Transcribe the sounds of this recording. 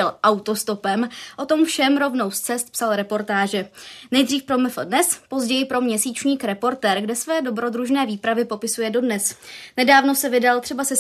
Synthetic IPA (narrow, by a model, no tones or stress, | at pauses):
ɛlʔawt̪o̞st̪o̞pɛmʔo̞t̪o̞mfʃɛmɾo̞vno̞wst͡sɛst̪̚psalɾɛpo̞ɾt̪aːʒɛnɛjd̪r̝iːfpɾo̞mɪfl̩dnɛspo̞zɟɛjɪpɾo̞mɲɛsiːt͡ʃɲiːkɾɛpo̞ɾt̪ɛːɾɡdɛsvɛːdobɾo̞d̪ɾuʒnɛːviːpɾavɪpo̞pɪsujɛdo̞dnɛsnɛdaːvno̞sɛvɪdalt̪r̥ɛbasɛs